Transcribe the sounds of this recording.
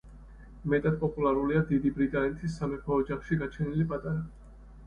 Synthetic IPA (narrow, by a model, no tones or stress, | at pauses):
mɛt̪ʼad̪̚pʼɔpʼulaɾuliad̪id̪ibɾit̪ʼanɛt̪ʰisːamɛpʰɔːd͡ʒaχʃiɡat͡ʃʰɛnilipʼat̪ʼaɾa